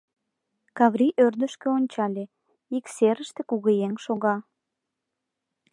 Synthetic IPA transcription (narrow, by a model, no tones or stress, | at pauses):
kɑβɾiʔørd̪əʃkeonʲt͡ɕɑlʲe | ikseɾəʃt̪e̥kuɣəjeŋʃoɣɑ